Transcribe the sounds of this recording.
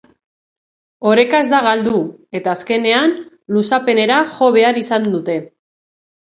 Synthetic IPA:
o̞ɾe̞kaezd̪aɣald̪ue̞t̪aːske̞ne̞an | lusape̞ne̞ɾaʝo̞β̞e̞aɾisand̪ut̪e̞

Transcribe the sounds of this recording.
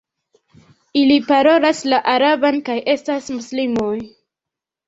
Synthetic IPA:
ilipaɾo̞laslaʔaɾabankajʔe̞stasmuslimo̞j

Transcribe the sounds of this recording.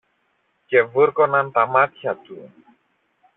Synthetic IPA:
kɛvɨɾkɔnant̪amat̪jat̪u

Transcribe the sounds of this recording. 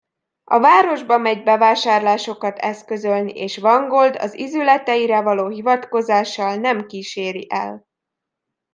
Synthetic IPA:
ɒvaːɾo̞ʒbɒmɛɟbɛvaːʃaːrlaːʃo̞kɒt̪ʰɛskø̞zølniʔeːʃvɒŋɡold̪ɒ̰zizylɛt̪ɛjiɾɛvɒloːɦivɒt̪ko̞zaːʃːɒlnɛmkiːʃeːɾiʔɛ̰l

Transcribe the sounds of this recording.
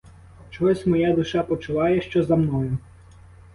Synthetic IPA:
t͡ʃɔsʲmɔjad̪ʊʃɑpɔt͡ʃʊʋˠɑjɛʃt͡ʃɔzɐmnɔjʊ

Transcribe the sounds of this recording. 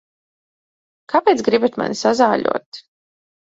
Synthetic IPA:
kapɛːt̪sɡɾibat̪ma̰nsazaːʎʲṵɔt̪

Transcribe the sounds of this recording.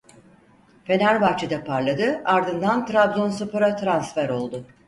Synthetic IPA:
fe̞næɾbaxt͡ʃʰid̪apʰaɾlˠad̪ɯaɾd̪ɯnd̪ant̪ɾabzonsɯpɯɾat̪ɾansfæɾo̞lˠd̪ʊ

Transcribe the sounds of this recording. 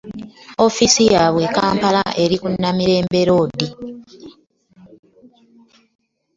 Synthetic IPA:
o̞fisijaːβwe̞kaːmpalaʔe̞ɾikunːamiɾe̞ːmbe̞ɾo̞ːdi

